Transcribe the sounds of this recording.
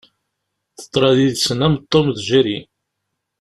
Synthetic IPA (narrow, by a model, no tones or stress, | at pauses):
θə̥t̪ːˤɾˤɑðiðsənæmt̪ˤːomðʒæɾi